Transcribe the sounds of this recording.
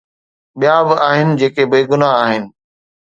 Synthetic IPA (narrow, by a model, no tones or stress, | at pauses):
ɓijãbɪʔaːɦɪnɪ̆d͡ʑeːkebeːɡʊnaaːɦɪnɪ̆